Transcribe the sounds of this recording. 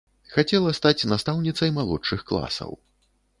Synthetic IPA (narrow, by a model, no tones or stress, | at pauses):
xat͡sʲɛlˠɐst̪at͡sʲnast̪awnʲit̪sɐjmalˠɔt͡ʂt͡ʂɨxklˠa̰sɐ̰w